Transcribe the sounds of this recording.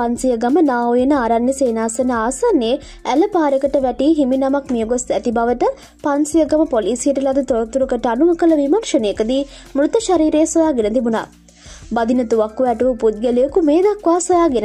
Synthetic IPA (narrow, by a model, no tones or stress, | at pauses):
pansijəɡamənaːojenəaːɾanjəseːnaːsenəaːsanːe | æləpaːɾekəʈəʋɛʈiːɦiminamakmijəɡosæt̪ibaʋəʈə | pansijəɡaməpoliːsijəʈəlad̪ət̪oɾɐt̪uɾukəʈəanumɐkələʋimɐnʃənejəkəd̪imɾut̪əʃaɾiːɾeːsʋojaːɡenət̪ibuna̰ː | bɐd̪inɐt̪uʋakːuʋɛʈuʋupud̪̚ɡelijəkumeːd̪akʋaːsʋojaːɡenə